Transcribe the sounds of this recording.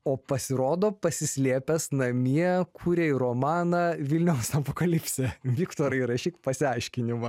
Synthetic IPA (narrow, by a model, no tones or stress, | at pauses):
oːpɐsʲɪɾoːd̪oːpɐsʲɪsʲlʲiɛpʲɛsnɐmʲiɛkʰuːɾʲeːɪɾoːmɑːnɑːʋʲɪlʲnʲɛʊsɐpoːkɐlʲɪpʲsʲɛʋʲɪkt̪oːɾɐiɾɐʃʲiːkpɐsʲɪɐɪʃʲkʲɪnʲɪmɐ